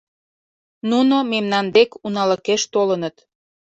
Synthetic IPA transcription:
nunomemnɑnd̪ekunɑləkeʃt̪olənət̪

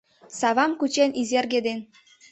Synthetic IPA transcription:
sɑβɑmkut͡ɕenizerɡed̪en

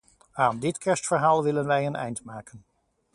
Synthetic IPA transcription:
aːndɪtkʰɛɹstfəɹɦaːlˠʋɪlənʋɛjənɛ̰jntmaːkən

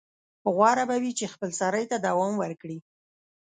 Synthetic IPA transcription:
ɣwɑɾabawit͡ʃexpəlsɑɾəjt̪ad̪awɑmwəɾkɽi

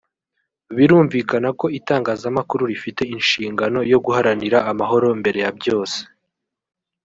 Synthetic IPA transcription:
βiɾuːɱviːkanako̞itaːŋɡaːzamakuɾuɾifite̞inʃiːŋɡano̞jo̞ɡuhaɾaniɾaːmaɦo̞ɾo̞mbe̞ɾe̞jabjo̞ːse̥

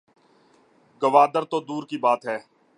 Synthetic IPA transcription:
ɡəʋaːd̪əɾt̪oːd̪uːɾkibaːt̪ɦɛː

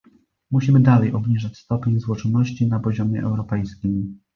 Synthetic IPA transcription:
muɕimɘd̪alɛjɔbɲiʐat͡ɕst̪ɔpʲeɲzwɔt͡ʂɔnːɔɕt͡ɕinapɔʑɔmʲjɛ̰ʔɛ̰wɾɔpɛjskʲim

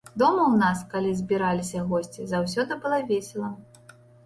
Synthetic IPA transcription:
d̪ɔmɐwnaskalʲizʲbʲiɾalʲisʲɐɣɔsʲt͡sʲizaws̬ʲɔd̪ɨbɨlˠavʲɛsʲɛlˠɐ

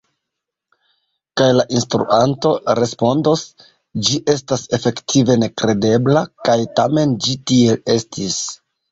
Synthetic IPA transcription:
kajlaʔinstɾṵʔanto̞ɾe̞spo̞ndos | d͡ʒiʔe̞stase̞fe̞ktʰive̞ne̞kɾe̞de̞blakajtame̞nd͡ʒitie̞e̞stʰis

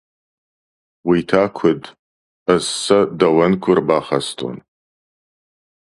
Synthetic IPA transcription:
witʰaːkʷʰʊd | ɐssɐdɐwɐnkʷʰʊrbaːχɐstʰʼo̰n

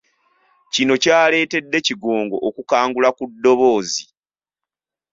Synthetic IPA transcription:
cino̞caːle̞ːte̞dːe̞ciɡoːŋɡo̞ʔːkukaːŋɡulakudːo̞βo̞ːzi

